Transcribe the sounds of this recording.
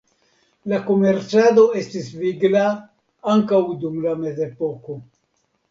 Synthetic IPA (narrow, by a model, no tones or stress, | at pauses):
lako̞me̞ɾt͡sado̞e̞stisviɡla | aŋkawdumlame̞ze̞po̞ko̞